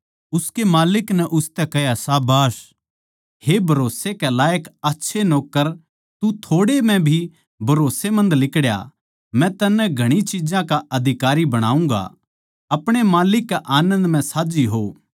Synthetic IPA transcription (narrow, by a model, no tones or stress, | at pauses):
ʊskemaːlɪknɛʔʊst̪ɛkɐjasaːbaːs | hebʱɐɾoːsekelaːjəkɐtːʃʰenoːkːəɾ | t̪ut̪ʰoːɽemɛ̃bʱi | bʱɐɾoːsemɐ̃nd̪lɪkɽja̰ | mɛ̃t̪ɐnːɛɡʱɐɽ̃it͡ʃid͡ʒãkaʔɐd̪ʱɪkaːɾibɐɽ̃a̰ːũŋɡa̰ | ɐpɽ̃emaːlɪkːaʔaːnə̃nd̪mɛ̃saːd͡ʒiɦoː